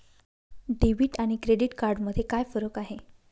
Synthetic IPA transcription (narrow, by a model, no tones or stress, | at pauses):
ɖeʋiʈaɽ̃ikɾeɖiʈkaɾɖməd̪ʱjekajfəɾəkaɦe